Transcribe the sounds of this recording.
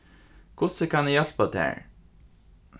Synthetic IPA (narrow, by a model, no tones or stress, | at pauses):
kʰʊsəkʰanɛjɛlpad̪æ̰ːɹ